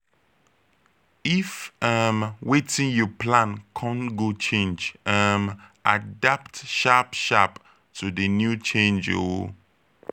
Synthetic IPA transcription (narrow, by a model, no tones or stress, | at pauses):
ifamwetʰɪ̃njɔpʰlãnkʰɔ̃nɡot͡ʃʰẽnd͡ʒamadaptʃapʃap | tʰudənjut͡ʃʰẽnd͡ʒo̰wo